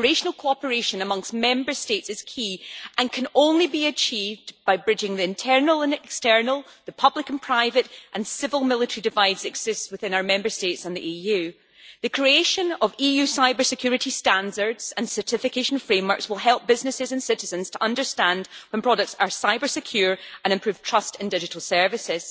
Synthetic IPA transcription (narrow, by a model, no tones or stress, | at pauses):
ɹeʃənəlˠkʰoɔpə˞eʃə̃nəmʌ̃ŋstmɛ̃mbə˞stetsɨz̥kʰiːʔə̃nkʰə̃nõnlˠibiət͡ʃʰivdbaɪbɹɪd͡ʒɪ̃ŋðiɪ̃ntʰɜ˞nəl̩ˠə̃nɛkstɜ˞nəlˠðəpʰʌblˠɪkə̃npʰɹ̥aɪvəʔʔə̃nsɪvəlˠmɪlˠɪʔəɹidɪvaɪdz̥ɛɡz̥ɪstswɪθɪ̃naʊə˞mɛ̃mbə˞stetsə̃nðiʔijʉ | ðɨkʰɹ̥ieʃə̃nəvijʉsaɪbə˞sɪkʰj̥ʉɹɪʔistãndə˞dz̥ə̃nsə˞tɪfɪkʰeʃə̃nfɹẽmwə˞kswɪlˠɦɛlˠp̚b̥ɪznɪsɪzə̃nsɪʔɪzə̃nz̥tʰəʔʌ̃ndə˞stãndwə̃npʰɹ̥ɔɾək̚tsə˞saɪbə˞sɪkʰj̥ʉɹʔə̃ñɨ̃mpʰɹ̥ʉv̥tʰɹ̥ʌstɪ̃ndɪd͡ʒɪʔəl̩ˠsɜ˞vɪsɪz̥